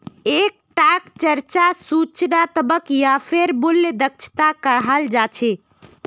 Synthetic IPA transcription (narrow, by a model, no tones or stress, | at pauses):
ek̚ʈakt͡ʃəɾt͡ʃasut͡ʃnat̪əbəkjapʰeɾbulːd̪ək̚t͡ʃʰt̪akəɾɦəld͡ʒat͡ʃʰɛ